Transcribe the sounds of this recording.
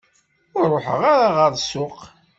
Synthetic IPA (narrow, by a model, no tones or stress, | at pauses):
ʊɾrˤoħə̰ʁaɾaʁəɾˤsʊq